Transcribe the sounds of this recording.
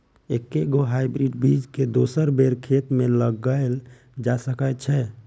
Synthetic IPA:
ekːeɡoɦajbɾiɖbʱid͡ʒked̪osəɾbeɾkʰet̪meləɡəel | d͡ʒasəkət͡ʃʰɛ

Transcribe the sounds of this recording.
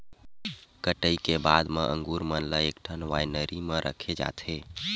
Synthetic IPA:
kəʈəjkebad̪meʔə̰ŋɡuɾmənləekʈʰənʋajnəɾimeɾʔə̰kʰed͡ʒa̰t̪ʰe

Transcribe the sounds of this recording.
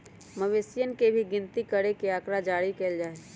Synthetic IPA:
məʋesɪjənkebʱiɡɪnt̪ikəɾekeaːkɾad͡ʒaːɽikeːld͡ʒaːe

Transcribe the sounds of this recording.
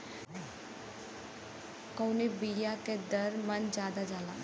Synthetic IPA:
kownebiːjaːked̪əɾmənd͡ʒaːd̪aːd͡ʒaːlaː

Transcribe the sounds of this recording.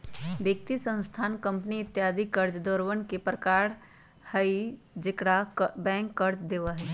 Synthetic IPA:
bjek̚t̪isə̃nst̪ʰaːnkə̃mpniɪt̪jaːd̪ikəɾd͡ʒd̪ɔːɾʋənkepɾəkaːɽ | həi | d͡ʒɪkɽabɛ̃ːŋkːəɾd͡ʒd̪eːʋaɦɛ

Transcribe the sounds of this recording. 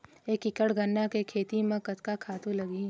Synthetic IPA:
eːkɪkəɽɡɐnːakekʰeːt̪imẽkɐt̪kakʰaːt̪ũlɐɡĩ

